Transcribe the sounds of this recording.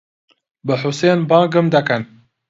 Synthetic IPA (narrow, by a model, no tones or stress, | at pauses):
bɨħʊseːnbɑːɡɨmd̪ɐkɐn